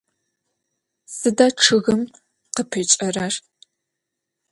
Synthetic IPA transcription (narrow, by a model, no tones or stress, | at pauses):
sɨdaʈ͡ʂʰɨɣɨm | qəpʰɨt͡ʃʼɐrar